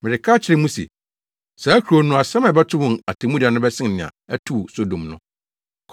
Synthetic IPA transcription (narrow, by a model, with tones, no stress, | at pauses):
mɪ̃˨ɾɪ˨kʰaː˦t͡ɕʰɪ˨ɾɪ˦mũ˦sḛ˨ | sa˨æ˦kʰu˨ɾo˨˦nʊ̃˦a˨sã˦mã˨bɛ˦tʰʊ˦wʊ̃˨a˨tʰã˨mũ˦di˨a˨nʊ̃˦bɛ˦sɪ̃˦n˨nɪ̃˨ã̰˨æ˦tʰu˦˨so˨dõ˨mnʊ̰̃˦ | kʰ